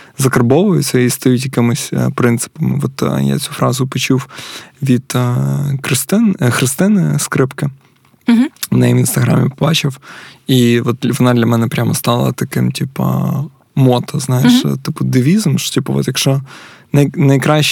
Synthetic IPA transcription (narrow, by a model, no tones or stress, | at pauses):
zɐkɐrbɔʋʊjʊt͡sʲːɐist̪ɐjutʲjɐkɪmɪsʲpɾɪnt̪sɪ̥pɐmɪ̰ʋɔt̪ja̰t͡sʲufɾɑzʊpɔt͡ʃuwʋʲid̪̥ | kɾɪst̪ɪnxɾɪst̪ɪnɪskɾɪpkɪ | nɛiʋinst̪ɐɦɾɑ̰mʲɪpɔbɑt͡ʃɪwiʋɔt̪̚ʋɔnɑd̪lʲɐmɛnɛpɾʲamɐst̪ɑlˠɐ̰t̪ɐkɪmtʲipɐ̰ | mɔt̪ɐznɑjɪʃt̪ɪpʊd̪ɪʋʲizʊmʃtʲipɐʋɔ̰t̪jɐkʃɔnɐjnɐjkɾɑʃ